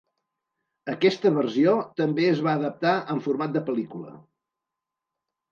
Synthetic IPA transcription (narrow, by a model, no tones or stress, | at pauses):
əkɛst̪əβərsiot̪əmbeəzβaəðəp̚t̪aʔəɱfuɾmat̪̚d̪əpəlikulə̰